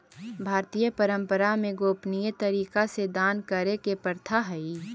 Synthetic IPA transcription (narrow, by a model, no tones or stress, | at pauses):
bʱaːɾt̪ijəpəɾə̃mpəɾamẽɡoːpnijət̪əɾiːkased̪aːnkəɾekepəɾt̪ʰaɦɛi